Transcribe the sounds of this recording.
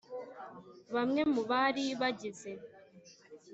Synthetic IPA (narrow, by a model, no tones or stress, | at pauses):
βamŋe̞muβaɾiβaɟize̞